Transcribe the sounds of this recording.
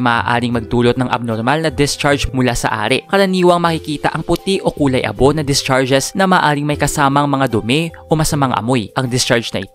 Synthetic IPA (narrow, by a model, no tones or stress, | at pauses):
mɐːa̰ːʔa̰ːɾɪŋmɐɡ̚d̪uːlo̞t̪̚nɐŋʔɐ̰b̚noɾmalnɐd̪ɪst͡ʃaɹd͡ʒmʊlasɐ̰ʔa̰ːɾɛʔkɐɾɐniːwɐŋmɐkɪkiːt̪ɐ̰ʔɐŋpʊt̪iʔo̞kuːlɐjʔɐ̰bo̞nɐd̪ɪst͡ʃaɹd͡ʒɛsnɐmaːʔaːɾɪiŋmɐjkɐsaːmɐŋmɐŋad̪ʊmɛʔo̞mɐsɐmaŋʔɐ̰mo̞jʔɐŋd̪ɪst͡ʃaɹd͡ʒnɐ̰ʔɪ̰t̪